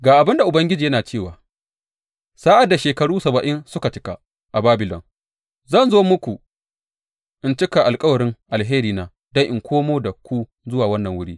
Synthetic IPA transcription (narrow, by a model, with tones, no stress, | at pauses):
ɡaː˨ʔa˨bɪ˦nda˨ʔʊ˨bɐ˦ŋɡʲɪ˦d͡ʒiː˨jɐ˦naː˨t͡ʃeː˦˨waː˨ | saː˦ʔa˨dːa˨ʃeː˨kɐ˨ɽuː˦sɐ˨bɐ˨ʔɪ˦nsʊ˦ka˨t͡ʃɪ̥˦ka˨ | ʔa˨baː˦bɪ˨lɔ̰˨ŋ | zɐ˦˨nzoː˦mʊ˦kʷu˨ | ʔɪ˦nt͡ʃɪ˦ka˨ʔa˨lkʼɐ˦wɐ˨ɾɪ˦ŋʔa˨lɦeː˦ɾiː˨naː˨ | dɐ˦ŋʔɪ˨ŋkʷʰoː˦moː˦da˨kʷu˦ | zʊ˦waː˨wɐ˦nːɐ˨ŋwʊ˦ɽiː˦